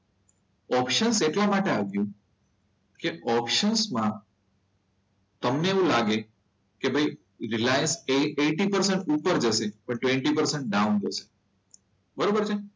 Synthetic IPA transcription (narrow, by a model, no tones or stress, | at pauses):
ɔpʃənseʈlamaʈeaɡjũ | keɔpʃənsmã | t̪əmneːũlaɡe | kebʱəj | ɾilajənseeʈipəɾsəɳʈupəɾd͡ʒəsepəɳʈʋẽɳʈipəɾseɳʈ̚ɖaund͡ʒəse̥ | bəɾobəɾt͡ʃʰe